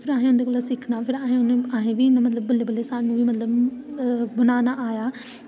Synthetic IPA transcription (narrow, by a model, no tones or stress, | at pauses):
fɪɾaːɦĩʊnekɐləsɪkʰnaːfʰɪɾaːɦɪ̃ʊnaːɦẽbiɪnəmɐt̪̬ləbːɐlebɐlesãɪ̃nũbimɐt̪ləb | bɐnaːnaʔaːja